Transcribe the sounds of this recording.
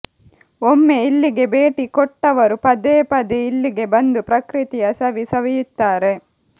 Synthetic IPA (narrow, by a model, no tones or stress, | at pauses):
omːeilːiɡe̞beːʈikɔʈːɐʋɐɾupɐd̪eːpɐd̪iilːiɡe̞bɐnd̪upɾɐkɾit̪ijɐsɐʋisɐʋɛjut̪ːaːɾe̞